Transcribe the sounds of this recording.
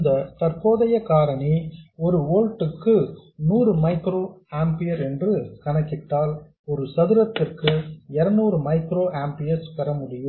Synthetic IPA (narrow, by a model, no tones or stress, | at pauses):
ɪnd̪ɐt̪ɐrpoːðɐjɐkaːɾɐɳiɔɾɯʋoːlʈɯkːɯnuːɾɯmɐɪkɾoːaːmpɪjɐɾɛndrɯkɐɳɐkːɪʈːaːl | ɔɾɯsɐðɪɾɐt̪ːɪrkɯɛɾɐnuːɾɯmɐɪkɾoːʔaːmpɪjɐspɛɾɐmʊɽɪjɯ